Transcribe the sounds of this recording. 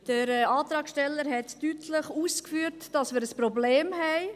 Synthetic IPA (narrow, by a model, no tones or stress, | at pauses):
d̥əɾɛɑːt̪ɾɑːkʃtɛlːəɾɦɛtːytʰləχuːskfyːəɾtd̥ɑsmɪːɾəspɾɔbleːmɦɛɪ